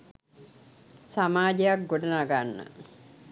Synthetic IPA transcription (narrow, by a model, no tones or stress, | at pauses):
samaːd͡ʒejak̚ɡoɖənaɡanːə̰